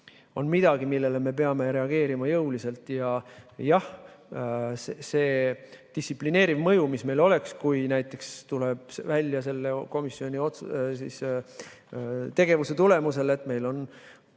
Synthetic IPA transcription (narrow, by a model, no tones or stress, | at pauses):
o̞nmid̪̥ɑɡimilːe̞le̞me̞p̬e̞ɑme̞ɾe̞ɑɡ̥e̞ːɾimɑjɤwlise̞lt̪ˑjɑjɑh | sse̞ːd̪̥isʲipline̞ːɾivmɤjumisme̞jlo̞le̞kskujnæjt̪ːˑe̞kst̪ule̞b̥svælʲːjɑse̞lːeko̞misːio̞nʲio̞t̪susḭs | t̪e̞ɡ̥e̞vuse̞t̪ule̞muse̞le̞t̪ːme̞jlo̞n